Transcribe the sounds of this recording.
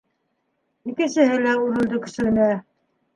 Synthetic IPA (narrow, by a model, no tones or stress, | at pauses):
ikɘ̆nsɘ̆ɦɘlæuɾɤ̆lˠd̪ɤkɵ̆ʃɘ̆ɡɘ̆næ